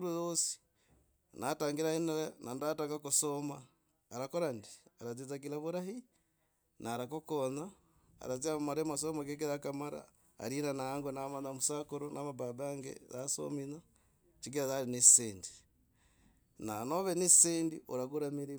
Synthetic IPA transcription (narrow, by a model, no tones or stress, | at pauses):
ɾuzosi̥ | nataːŋɡiɾaineɾenandataŋkakusomaː | ɾakoɾandiaɾat͡sizaɡilaβuɾahi | nʔaːɾakokona | a̰ɾat͡siamaɾemas̬omakek̬iɾakamaɾa̰ː | ɾinanaaŋɡonamanamusakuɾonʔaβaβabaŋɡḛzaso̰mina | t͡ʃiɡiɾazaɾiniseːndi̥ | nanoβenisendḭʔoɾaɣuɾamiɾi